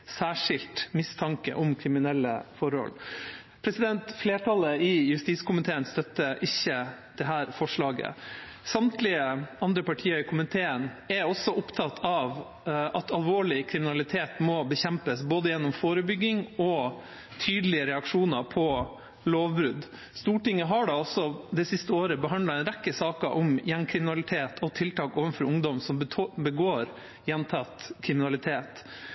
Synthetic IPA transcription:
sæːʂɪlt̪mɪst̪ʰɑŋkə̰ʔɔmkʰɾɪmɪnɛlːə̰fɔɾhɔ̰l | pʰɾɛsɪd̪ɛnt̪fleːʈʰɑləɪjʉst̪iːskʰʊmɪt̪ʰeːənst̪œt̪ːəʔɪçːəd̪̥ɛɦæːɾfɔʂɭɑːɡə̰ | sɑmt̪lɪəɑnd̪ɾəpɑʈʰiːkʰʊmɪt̪ʰeːənɛɾɔsːɔʔʊpt̪ʰɑt̪ʰːɑʋ | ɑt̪ʰɑlʋoːɭɪkʰɾɪmɪnɑlɪt̪ʰeːt̪mɔbəçɛmpəsboːd̪əjɛnːɔmfoːɾəbʏɡːɪŋɔ | t̪ʰyːd̪əlɪəɾɛɑkʂuːnəɾpʰɔ | loːʋbɾʉd̪ | st̪uːʈɪŋːəɦɑɖɑɔsːɔd̪ɛsɪst̪əoːɾəbəɦɑnd̪lɑɛnɾɛkːəsɑːkəɾʔɔmjɛŋkʰɾɪmɪnɑlɪt̪ʰeːt̪ʰɔt̪ʰɪlt̪ʰɑːkoːʋənfɔɾʊŋd̪ɔmsɔmbəɡoːɾ | jɛnt̪ʰɑt̪kʰɾɪmɪnɑlɪt̪ʰeːt̪

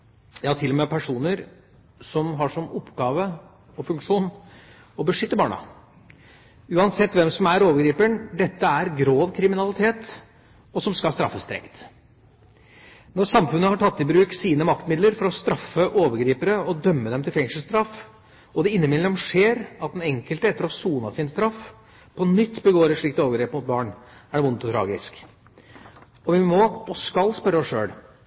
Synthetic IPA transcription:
jɑːt̪ʰɪlːɔmeːpʰæʂuːnəɾ | sɔmɦɑʂɔmɔpːɡɑːʋə | ɔfʉŋkʂuːn | ɔbəʂʏt̪ːəbɑːɳɑ̰ | ʉːɑnsɛt̪ːʋɛmsɔmæɾoːʋəɾɡɾiːpəɳd̪ɛt̪ːəæɾɡɾoːʋkʰɾɪmɪnɑlɪt̪ʰeːt̪ | ɔsɔmskɑlst̪ɾɑ̰fːəst̪ɾɛ̰ŋt̪ | nɔɾsɑmfʉnːəhɑʈʰɑt̪ːɪbɾʉːksiːnəmɑkt̪mɪd̪ləɾfɔɾɔst̪ɾɑfːəʔoːʋəɾɡɾiːpəɾəɔd̪œmːəd̪ɛmt̪ɪlfɛŋʂəlst̪ɾɑf | ɔd̪ɛɪnːəmɪd̪lɛmʂeːɾɑt̪̚d̪ɛnɛŋkəlt̪əɛt̪ːəɾɔsuːnɑɪnst̪ɾɑf | pʰɔnʏt̪ːbəɡoːɾəʂɭɪkt̪oːʋəɡɾeːpəmʊt̪̚bɑːɳæɖɛʋʊnt̪ɔt̪ʰɾɑ̰ːɡɪsk | ɔʋɪmɔɔskɑlːspœɾːəɔsʂø̰ːl

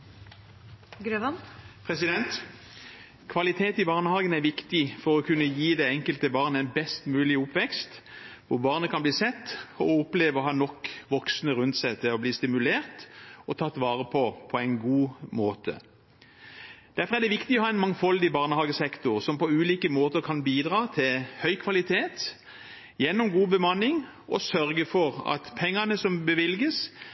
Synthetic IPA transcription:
ɡɾøʋɑnpʰʁɛsɪd̪ɛnt̪ | kʰʋɑlɪt̪ʰeːt̪ɪbɑːʁnəhɑːɡənæʋɪkt̪ɪfɔʁɔkʰʉnːəjiːd̪ɛɛŋkəlt̪əbɑːʁnəæɪnbɛst̪mʉːlɪʊpʋɛkst̪ʋʊʁbɑːʁnəkʰɑnbliːsɛt̪ːɔʊpleːʋəɔhɑːnɔkːʋɔksnəʁʉnt̪sɛt̪ʰɪɔbliːst̪ɪmʉleːʁt̪ɔt̪ʰɑːt̪ːʋɑːʁəpʰɔpʰɔæɪnɡuːmoːt̪ʰə̰ | d̪̥æfɔʁæd̪ɛʋɪkt̪ɪɔhɑːɛɪnmɑŋfɔld̪ɪbɑːʁnəhɑːɡəsɛkt̪ʊʁsɔmpɔʉːliːkəmoːt̪əɾkʰɑnbiːd̪ʁɑːt̪ʰɪlhœʏkʰʋɑlɪt̪ʰeːt̪ | jɛnːʊmɡuːbəmɑnːɪŋ | ʔɔsœʁɡəfɔʁɑ̰t̪pʰɛŋːɑnəsɔmbəʋɪlɡəs

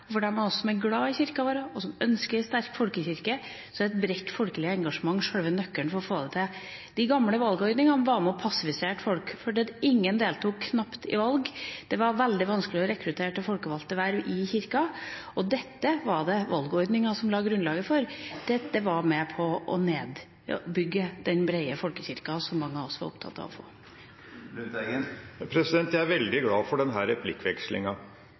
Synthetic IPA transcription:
ɔfɔɖɛæmɑnɔsːɔsɔmɛɾɡɽɑːɪçɪɾkɑʋoːɾəɔsɔmœnskəɾst̪æɾkfɔlkəçɪɾkə | sɔɛt̪bɾɛt̪ːfɔlkəlɪəɛŋɡɑʂəmɑŋːʂøːɽʋənœkːəɳfɔɾɔfoːd̪ɛt̪ʰɪ | d̪̥ɪɡɑmːləʋɑlɡɔʏd̪nɪŋɑʋɑmɛɔpʰɑsːɪfɪseːʈfɔlkfɔɖɛd̪ɪŋːənd̪eːlt̪ʰuːkʰːnɑpt̪ɪ̰ʋɑlɡd̪̥ɛʋɑɾʋɛld̪ɪʋɑnskəlɪɔɾɛkɾʉt̪ʰeːʈəfɔlkəʋɑlt̪əʋæɾʋɪçɪɾkɑɔd̪ɛt̪ːəʋɑɖɛʋɑlɡɔɾd̪nɪŋɑsɔmlɑːɡɾʉnlɑːɡəfɔɾd̪̥ɛt̪ːəʋɑɾmɛpʰɔʔɔ̰neːd̪ | bʏɡːəd̪̥ɛnbɾæɪəfɔlkəçɪɾkɑsɔmːɑŋːəɑɔsːɔʋɑ̰ɾɔ̰pt̪ʰɑ̰t̪ːɑ̰ʋɔ̰fo̰ː | pʰɾɛsɪd̪ɛnt̪jææɾʋɛld̪ɪɡlɑːfɔɖɛnɦæɾɾɛpʰlɪkːʋɛkslɪ̰ŋɑ

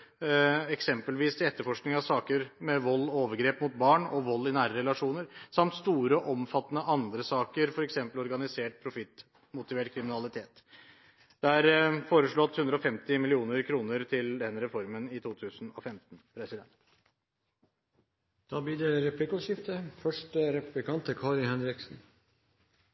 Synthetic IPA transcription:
ɛksɛmpəlʋiːst̪ʰɪɛt̪ːəɾfɔʂknɪŋɑʋsɑːkəɾmɛʋɔlːɔoːʋəɾɡɾeːpmʊt̪̚bɑːɳɔʋɔlːɪnæːɾəɾɛlɑʂuːnəɾsɑmt̪st̪uːɾəʔɔmfɑt̪ːənəʔɑnd̪ɾəsɑːkəɾfɔɾɛksɛmpəlɔɾɡɑnɪseːʈ̚pʰɾʊfɪt̪ː | mʊt̪ɪʋeːʈkʰɾɪmɪnɑlɪt̪ʰeːt̪ | d̪̥ɛæɾfoːɾəʂɭɔt̪hʉnd̪ɾəɔfɛmt̪ɪmɪlɪuːnəɾkʰɾuːnəɾt̪ʰɪld̪ɛnːɾɛfɔɾmənɪt̪ʰuːt̪ʰʉːsn̩ɔ̰fɛmt̪n̩pʰɾɛsɪd̪ɛ̰nt̪ | d̪̥ɑːbɪd̪ɛɾɛplɪkʊʃɪft̪əfœʂʈəɾɛpʉblɪkɑnt̪əkʰɑːɾɪhɛnɾɪksn̩

